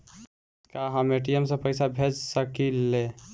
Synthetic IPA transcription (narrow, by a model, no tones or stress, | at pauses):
kaɦəmeʈ̬ijəmsə̃pəɪsabʱed͡ʒsəkilːe